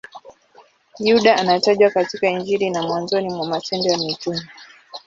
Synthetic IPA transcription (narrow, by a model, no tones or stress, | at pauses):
juɗaanataʄwakatikaiɲd͡ʒiɾinamwanzɔnimwamasɛndɔjamit͡ʃumi